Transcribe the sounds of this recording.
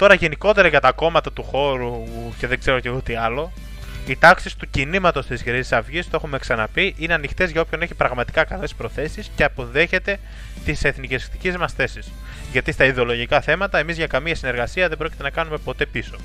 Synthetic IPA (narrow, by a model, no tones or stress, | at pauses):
t̪o̞ɾɐʝe̞niko̞t̪e̞ɾɐʝɐt̪ɐko̞mɐt̪ɐt̪uxo̞ɾuce̞ðe̞ɡze̞ɾo̞ceot̪iɐlo̞ | it̪ɐksist̪ucinimɐt̪o̞st̪izʝɾisi̥sɐvʝist̪oexume̞ksɐnɐpiʔineɐnixt̪e̞zʝɐo̞pço̞neçipɾɐɣmɐt̪i̥kɐkɐle̞spɾo̞θe̞sisceɐpo̞ðe̞çe̞t̪e̞ | t̪ise̞θniceskt̪i̥cizmɐsθe̞sis | ʝɐt̪ist̪ɐiðeo̞loʝikɐθe̞mɐt̪ɐe̞mizʝɐkɐmiɐsine̞ɾɣɐsiɐðebɾocit̪enɐkɐnume̞po̞t̪e̞piso̞